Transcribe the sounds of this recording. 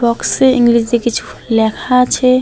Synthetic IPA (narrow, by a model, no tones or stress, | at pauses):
ɔkseĩŋɡlis̬d̪ekit͡ʃʰu̥ | lɛkʰat͡ʃʰɛ